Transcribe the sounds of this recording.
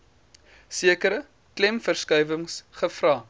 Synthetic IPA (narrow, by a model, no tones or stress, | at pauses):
siəkəɾə | klɛmfərskœjvəŋsχəfrɑː